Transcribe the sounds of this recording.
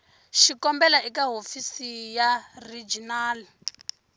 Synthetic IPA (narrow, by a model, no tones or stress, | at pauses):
ʃikɔmbɛlaʔikaɦofisijarid͡ʒinaːli